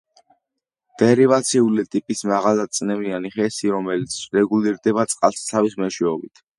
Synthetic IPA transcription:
d̪̥ɛɾivat̪sʰiulit̪ʼipʼismaʁalad̪̚t̪sʼnɛmianiχɛsiɾɔmɛlit̪sʰɾɛɡuliɾd̪ɛbat̪sʼqʼalssʰavismɛʃwɛɔbit̪ʰ

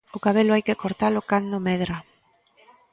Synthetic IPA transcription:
ʊkaβelʊajkɪkoɾt̪alʊkand̪ʊmɛð̞ɾa

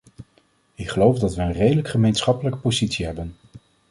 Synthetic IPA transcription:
ɪkχəlowfdɑtʋəːnrejdələkχəmejnsχɑpələkə̥pozitsiɦɛbən

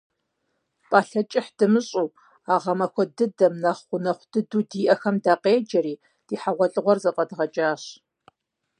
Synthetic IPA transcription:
pʼaːɬɐt͡ʃʼɪħd̥ɨmɨɕʼuː | aːʁɐmɐxʷʰɔdɨdɐmnɐχʷʊnɐχʷd̥ɨduːdiːʔɐxɐmdaːqeːd͡ʒɐɾiː | d̥iːħaʁʷɔɬʼɨʁʷɔrzɐpʼɐdʁɐt͡ʃʼaːɕ

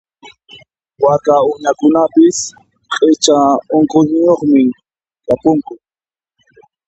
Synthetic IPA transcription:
wakaʊɲakʊnapɪs | qʼɪt͡ʃaoɴkʼoɪjoχmɪ | kapʊŋkʊ

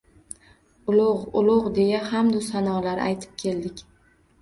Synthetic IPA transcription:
ʊlˠʊʁʊlˠʊʁd̪e̞jahamd̪ʊsanɒlaɾa̰jt̪ʰɪ̥p̚kʲʰe̞ld̪ɪkʲ

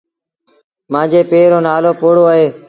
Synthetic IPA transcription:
mãːd͡ʒeːpeːɾoːnaːloːpoːɽoːəɦeː

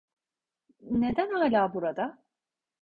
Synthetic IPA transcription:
ne̞d̪ænaːlʲaːbuɾad̪a

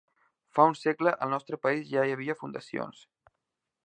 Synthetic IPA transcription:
faunsɛkləʔəlˠnɔst̪ɾəpəizʒaiəβ̞iəfund̪əsio̰ns

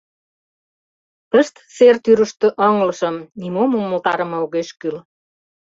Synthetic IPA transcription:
pəʃt̪sert̪yɾə̆ʃt̪ø̆ʔəŋlɤ̆ʃɤ̆mnimomomːolt̪ɑɾə̆mɤ̆uɣeʃkyl

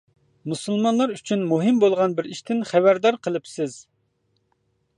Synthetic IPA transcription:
musulˠmɑnlˠɑɾyt͡ʃʰynmuɦɪmbolˠʁɑnbɪɾiʃt̪ʰɪnχævæɾd̪ɑɾqʰəlˠɨpsɪz̥

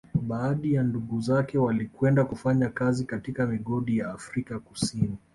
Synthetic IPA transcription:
ɓaːɗijanduɠuzakɛwalikwɛndakufaɲakazikatikamiɠɔɗijaːfɾikakusini

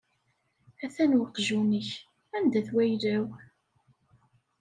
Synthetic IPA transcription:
æθænwəqʒunəç | ænd̪æθwæjlæw

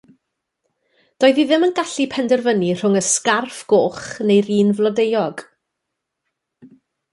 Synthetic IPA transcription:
d̥ɔːɨðiðɪmənɡaɬipʰɛndɛrvənir̥ʊŋəskarfɡ̥oːχnejɾiːnvlˠɔdejɔɡ̥

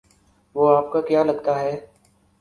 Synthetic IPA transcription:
ʋoːaːp̚kakjaːlɐɡt̪aɦɛː

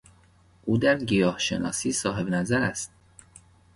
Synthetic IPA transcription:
ʔuːd̪æɾɟijɒːhʃe̞nɒ̰ːsiːsɒːɦe̞bnæzæɾæst̪̚

